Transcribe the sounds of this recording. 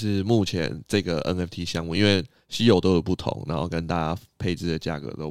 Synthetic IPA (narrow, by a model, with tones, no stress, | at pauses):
ʂɻ̩˥˧mu˥˩t͡ɕʰjɛ̰˧˦nʈ͡ʂɤ˥˩ɡə˩ɛ̰˦nɛ˥˩ft̪ʰi˥ɕjɑ˦ŋu˥˨i˦nwe˥˩ɪ | ɕi˧˥jo˨˩ʊt̪o˥ʊjo˨˩ʊpu˥˩t̪ʰʊ̰˨˦ŋna̰˨˧˦nxo˥˧ʊkə˦nt̪a˥˧t͡ɕa˥pʰe˥˧ɪt͡sɹ̩˥˩d̪ə˩t͡ɕja̰˥˩kɤ̰˧˥t̪o˧˥ʊ